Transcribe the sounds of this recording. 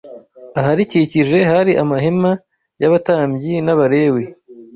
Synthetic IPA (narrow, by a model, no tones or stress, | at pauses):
aɦaɾiciciʒe̞ɦaɾiʔamaɦema | jaβataːmbjinaβaɾe̞ːwe